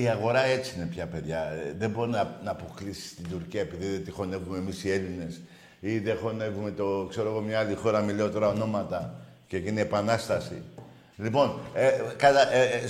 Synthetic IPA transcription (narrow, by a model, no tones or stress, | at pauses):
iaɣo̞ɾɐe̞t͡siine̞pçɐpe̞ðʝɐðe̞bo̞ɾinɐnɐːpo̞klisi̥st̪id̪uɾciɐepiðiðet̪ixo̞ne̞vumemisie̞line̞s | iðexo̞ne̞vume̞t̪okse̞ɾoɣo̞mɲɐalixo̞ɾɐmileot̪o̞ɾɐo̞no̞mɐt̪ɐ | ceciniepɐnɐst̪ɐsḭ | lipo̞nekɐt̪ɐ